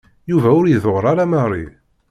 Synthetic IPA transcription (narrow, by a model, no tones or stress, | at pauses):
juvæʊɾjəðoʁɾˤaɾamɑrˤːḭ